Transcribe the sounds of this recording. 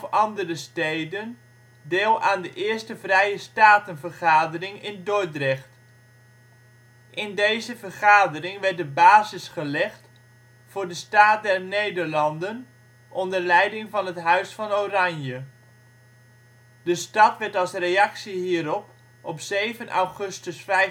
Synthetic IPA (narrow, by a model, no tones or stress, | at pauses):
fɑndərəstejdən | dɪːlˠaːndəʔɪːɹstəvrɛjəstaːtənvərχaːdərɪŋɪndojdrɛχt | ʔɪndejzəvərχaːdərɪŋʋɛɹt̚dəbaːzɪsχəlɛχt | fʊːɹdəstaːt̚dɛrnejdəɹlɑndən | ʔɔndəɹlɛjdɪŋvɑnɦətɦœɥsfɑnorɑnjə | dəstɑtʋɛɹtɑlˠsrejɑksiɦiːɾɔp | ɔpsejvənʔa̰wχɵstəsfɛj